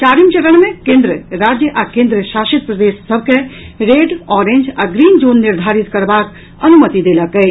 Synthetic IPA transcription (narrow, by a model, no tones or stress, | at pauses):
t͡ʃaːɾimt͡ʃəɾəɽ̃mẽkẽːnd̪ɾəɾaːd͡ʒjəʔakẽːnd̪ɾəʃaːʃit̪̚pɾəd̪eːsːəbʱkeɾeːɖɔːɾẽnd͡ʒaɡɾiːnd͡ʒoːnːiɾd̪ʱaːɾit̪kɐɾbaːk | ɐnumət̪id̪eːlakəj